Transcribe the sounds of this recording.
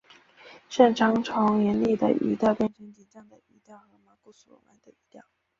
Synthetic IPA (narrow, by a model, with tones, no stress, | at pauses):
ʂə˥˩nʈ͡ʂʰɑ˧˥ŋʈ͡ʂʰɑ˧˥ŋjɛ˧˥nli˥˩d̪ə̰˩ʔḭ˧˥t̪ja˥˧ʊkjɛ˥˧nɕʰə˧˥nt͡ɕi˧˩nt͡ɕjɑ˥˩ŋd̪ə˨˩i˧˥t̪jɑ˥˩ʊxɤ˧˥ma˧˥ku˥˩su˨˩lɔ̰˧˥ma̰˧˥d̪ə˧i˧˥t̪jɑ˥˩ʊ